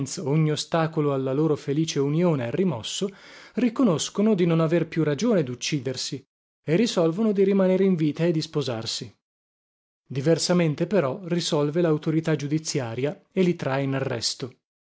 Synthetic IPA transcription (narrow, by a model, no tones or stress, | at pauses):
nt̪soɲːiost̪aːkoloalːaloːɾofeliːt͡ʃeunjoːnearimɔsːorikonoskonod̪inonaverpjurad͡ʒoːned̪ut͡ʃːiːd̪ersi | erːisɔlvonod̪iɾimaneːɾeiɱviːt̪aed̪ispoza̰rsi | d̪iversament̪epeɾɔrisɔlvelaut̪oɾit̪ad͡ʒud̪it̪sːjaːɾjaelːit̪ɾaenarːɛ̰st̪o